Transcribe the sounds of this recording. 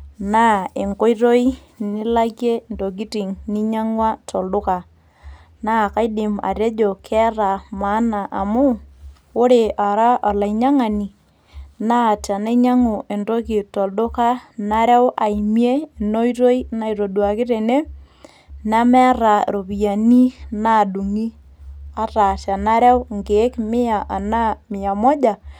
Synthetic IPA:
na˦e˨ŋko˦i˦ɾo˦i˦ | nɪ˦la˦ke˦ndo˨k̬i˦ti˨ŋni˦ɲa˦ŋwa˦tʰɔ˨ldʊ˦ka˨ | na˦˨ka˦jdɪ˨ma̰˨ɾe˦d͡ʒo˨kʰɛ˦ra˨ma˨˦na˨ʔa˨mʊ˦ | o˦ɾe˨a˨ɾa˦ʔɔ˨la˨i˨ɲa˦ŋa˨ni˨ | na˦˨ta˨ne˦ɲa˦ŋo˨ʔe˨ndo˦ki˨to˨ldo˦ka˦na˦ɾɛ˦wa˨imje˦˨no˦jɾo˦i˦na˦˨i˨ɾo˨dwa˨kɪ˦ɾe˨ne˦ | na˦mɛ˦a˦ɾa˨ɾo˨βi˨ja˨ni˦na˦˨du˨ŋi˦ | a˦ɾa˨ʃa˨na˦ɾɛ˦wŋɡe˨˦kmɪ˦a˨ʔa˨na˦mɪ˨ja˨mɔ˦d͡ʒa˨

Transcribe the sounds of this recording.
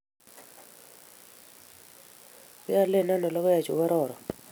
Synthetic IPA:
pɪ˦a˦˨le˦˨na˦nɔ˨lɔ˦kɔ˦ja˨t͡ʃo̰˨wa˦ɾɔ˨ɾɔ˨

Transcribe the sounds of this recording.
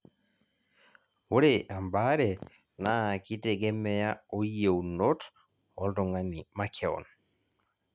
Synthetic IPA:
wo˦ɾeʔa˨mba˦ɾɛ˨ | na˦˨ki˦te˨ɡɛ˦mɛ˦ja˦o˦je˨u˨no˦t | ɔ˨˦ldɔ˨ŋa˦ni˨ma˦kʰɛ˦ɔ̰˨n

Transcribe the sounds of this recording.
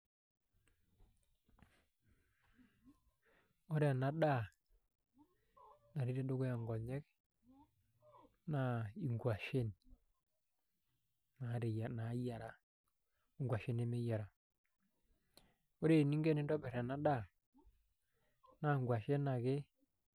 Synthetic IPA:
o˦ɾe˨na˨ɗa˦˨ | na˨ɾi˦ɾe˦do˦ɡʊ˦a˨ŋɡɔ˨ɲɛ˦k | na˨i˨ŋɡwa˨ʃe˦n | na˨a˨na˨˦ja˨ɾa˨ | ŋɡwa˨ʃe˦ne˦me˦ja˨ɾa˨ | o˦ɾe˦˨ni˦ŋɡe˦nɪ˦ndɔ˦bɛ˨ɾɛ˨na˦ɗa˦˨ | na˨ŋɡwa˨ʃe˦na˨ɡɪ˦

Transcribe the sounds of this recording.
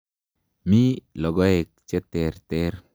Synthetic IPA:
mi˦lɔ˨ɡɔ˦e˨k̚t͡ʃɛ˦tɛ˨ɾtɛ˦ɾ

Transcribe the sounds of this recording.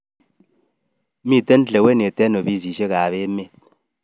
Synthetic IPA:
mi˦˨te˦n̩˦t͡ɬe˨we˦n˨e˨tɛ˦no˨bi˦s̬i˨ʃe˦ka˨βe˦me˦˨t̚

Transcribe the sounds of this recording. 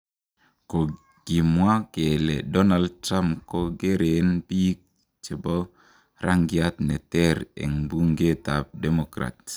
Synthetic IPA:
ko˨ | ɡ̥i˨mwa˦ke˨lḛ˨dɔ˦na˨ld̚tɾa˦mpko˦ɡe˦ɾe˨npi˦k̚ | t͡ʃe˨bo˦ | ɾʔa˦ŋɡi˦a˦tnɛ˨tɛ˦ɾḛ˨ŋbu˦ŋɡe˦ta˨p̚dɛ˦mo˨kɾa̰˨t̚

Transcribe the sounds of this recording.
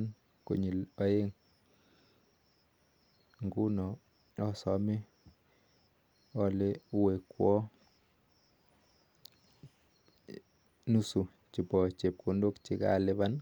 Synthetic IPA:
n | ko̰˨ɲi˨lɔ˦e˦ŋ | ŋɡu˦nɔ˨ | ɔ˦sɔ˨mi˦ | ɔ˦le˦we˨kwɔ˦ | nu˦su˨ | t͡ʃi˨pɔ˨t͡ʃe˨p̚ko˨ndo˦kt͡ʃi˨˦ka̰˦lɪ˦ba˦n

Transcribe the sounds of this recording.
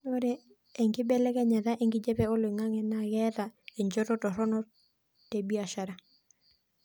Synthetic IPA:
noɾɛ˦ | ɛ˨ŋɡɪ˦bɛ˦lɛ˦kɛ˦ɲa˨ða˦ʔɛ˨ŋɡɪ˦d͡ʒɛ˦pɛ˦ɔ˦lwɪ˨ŋa˦ŋɛ˨na˨ɣɛ˦ta˨ɛ˨ɲd͡ʒɔ˦tɔ˦tɔ˨ɾɔ˦nɔ˦ | te˨bi˦a˨ʃa˨ɾa˦

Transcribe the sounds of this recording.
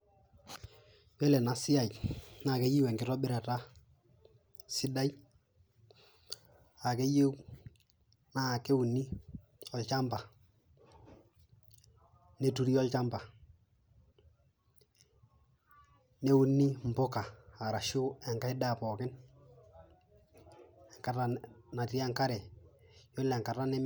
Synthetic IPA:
wɛ˦lɛ˨na˨sɪ˦ja˨jna˨ke˦ji˦we˨ŋɡɪ˦tɔ˦bɪ˦ɾa˨ta˦ | sɪ˦da˦j | a˨ke˦je˦w | na˦˨ke˦u˨nːi˦ | ɔ˨lt͡ʃa˦mba˨ | ne˦tu˦ɾi˦ɔ˦lt͡ʃa˦mba˨ | ne˦u˦nːi˦m̩˨bʊ˦kaː˨ɾa˨ʃʊ˦ɛ˨ŋka˦ɪ˦da˦˨pɔ˨kɪ˦n | ɛ˨ŋka˦ta˦na˨ti˦a˦ŋka˦ɾɛ˨jɔ˦lɛ˨ŋka˨ra˦nɛ˦m

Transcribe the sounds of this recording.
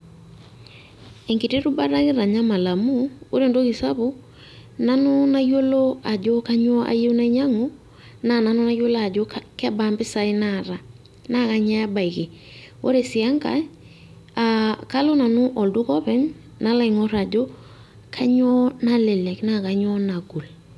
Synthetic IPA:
ɛ˨ŋki˨te˦ɾu˦ba˦ɾa˦kɪ˦ɾa˨ɲa˦ma˨la˨mu˦o˦ɾe˨ndo˦ki˨sa˦bu˦ | na˦nu˦na˦jo˦lo˦a˨d͡ʒo˦ka˦ɲɔ˦ʔa̰˨˦je˦wna˦i˦ɲa˦ŋu˦ | na˨na˨nʊ˦na˦jo˦la˦a˨d͡ʒo˦kɛ˦ba˨˦mbɪ˦sa˦ɪ˦naɾa˨ | na˦˨ka˨ɲa˦ba˨i˨kɪ˨wo̰˦ɾe˨sɪ˨a˦ŋka̰˨j | a˨ka˦lo˦na˨nʊ˦ʔɔ˨ldu˦kɔ˦pɛ˦ŋ | na˦la˦ɪ˨ŋɔ˦ɾa˨d͡ʒo˦ | kʰa˦ɲɔ˦na˦lɛ˨lɛ˨kna˦˨ka˨ɲɔ˦na˨ɡu˨l

